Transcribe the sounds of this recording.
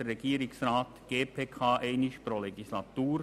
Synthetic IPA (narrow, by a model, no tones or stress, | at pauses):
əːɛɡ̥iːɾɪksraːt̪ɡ̥eːpʰeːkʰaːʔeɪnɪʃpɾoleɡislat̪uːɾ